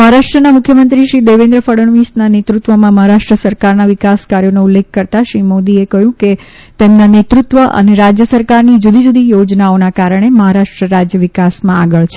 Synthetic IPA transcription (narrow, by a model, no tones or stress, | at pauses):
məɦaɾaʂʈɾənamukʰjəmənt̪ɾiʃɾid̪eʋẽnd̪ɾəfəɽəɳʋisnanet̪ɾut̪ʋəmãməɦaɾaʃʈɾəsəɾkaɾnaʋɪkaskaɾjoneulːek̚ʰːəɾt̪aʃɾimod̪iekəɦjũke | t̪emnanet̪ɾut̪ʋəʔə̰neɾad͡ʒjəsəɾkaɾnid͡ʒud̪ʱid͡ʒud̪ijod͡ʒnaonakaɾəɳ̃eməɦaɾaʂʈɾəɾad͡ʒjəʋɪkasmãaɡəɭt͡ʃʰe̥